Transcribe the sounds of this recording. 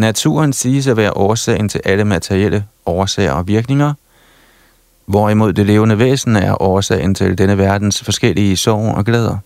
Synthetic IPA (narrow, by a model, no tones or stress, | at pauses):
næt͡sʰṵːɐnsiːsæʋæːɐʔɒːɐsɛ̰ːɪnt͡sʰe̝lʔæləmæt͡sʰeʁiel̰ʔəɒːɐsɛ̰ɪɐɒ̽ʋiɐɡ̥ne̝ŋɐ | ʋɒimo̝ð̞̰ˠd̥e̝le̝ːʊənəʋḛːsn̩æɐʔɒːɐsɛ̰ːɪnt͡sʰe̝ld̥enəʋæɐd̥n̩sfɒ̽sɡ̥el̰iəsɒʊ̰ɒ̽ɡ̥lɛːð̞ˠɐ